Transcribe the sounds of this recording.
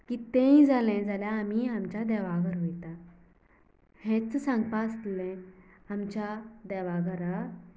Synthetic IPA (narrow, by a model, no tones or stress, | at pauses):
kiːt̪ẽjĩd͡zalɛ̃d͡zaljaːmiamt͡ɕad̪ɛʋaɡəɾɦojt̪a | hɛ̃t͡ssãŋɡpast̪lɛ̃ | amt͡ɕad̪ɛʋaɡəɾa